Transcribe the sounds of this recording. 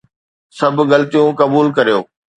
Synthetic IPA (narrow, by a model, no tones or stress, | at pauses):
sɐbʱʊɣɐlt̪ijũkɐbuːlkɐɾijoː